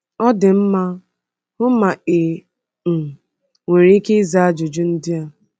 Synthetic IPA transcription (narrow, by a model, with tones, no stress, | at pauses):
ɔ˦dɪ˨m̩˦ma˦ | ʊ˦ma˨e˨ | we˨ɾi˦i˦ke˦za˦a˦d͡ʒʊ˨d͡ʒʊ˦n̩˦dɪ˦a˨